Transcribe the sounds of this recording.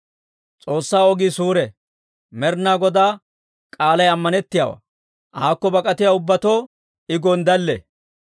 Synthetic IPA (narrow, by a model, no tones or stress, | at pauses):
t͡sʼo̞ːsːaːɔɡiːsuːɾɛ | mɛɾnaːɡɔd̪aː | kʼaːlɐjɐmːɐnɛt̪ːɪjaːwa̰ | ʔaːkːɔbɐkʼɐt̪ɪjaːʊbːɐt̪oː | ɪɡond̪ɐlːɛ